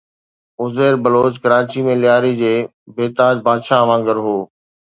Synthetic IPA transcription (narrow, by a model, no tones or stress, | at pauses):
ʊzeːɾbɐloːt͡ɕkɐɾaːt͡ɕimẽlɪjaːɾid͡ʑeː | beːt̪aːd͡ʑbʱaːd̪ʃaɐʋãːŋɡəɾɦoː